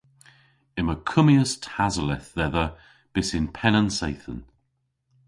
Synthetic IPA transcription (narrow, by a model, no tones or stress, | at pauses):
ɪməkʰʊmiəstʰazəlɛθðɛðə | b̥ɪsɪnpʰɛnənsejθən